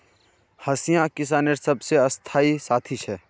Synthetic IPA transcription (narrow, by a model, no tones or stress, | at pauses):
hɐsijãkɪs̬aːneɾsɐbseɐst̪ʰaːisaːt̪ʰiʃɛː